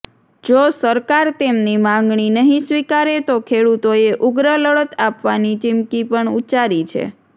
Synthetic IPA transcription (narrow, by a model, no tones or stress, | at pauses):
d͡ʒosəɾkaɾt̪emnimãŋɡɳinəɦĩsʋikaɾet̪okʰeɽut̪oeʔuɡɾələɭət̪apʋanit͡ʃɪmkipəɳut͡ʃaɾit͡ʃʰḛ